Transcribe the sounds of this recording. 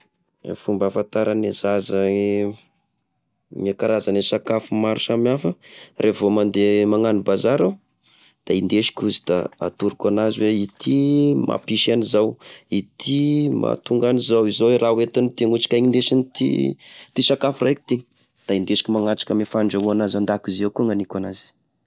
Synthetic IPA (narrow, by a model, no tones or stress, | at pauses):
fumbafant̪aɾanezazai | ŋakaɾazanisakafumaɾusamafərʔevomand̪emaŋanibazaɾaw | d̪̥aind̪eʃi̥kʲuzid̪̥a̰a̰t̪uɾikʲanaziweit̪ʰimʔa̰piʃanizawit̪ʰima̰t̪uŋɡanizawizowerʔawet̪init̪iŋut͡ʃi̥kʲaŋind̪eʃint̪ḭt̪isakafurajki̥t̪iŋ | d̪̥aind̪eʃi̥kʲimaŋaʈ͡ʂḁkəmefaɳɖ͡ʐauanazand̪akizewkuŋanikanazi̥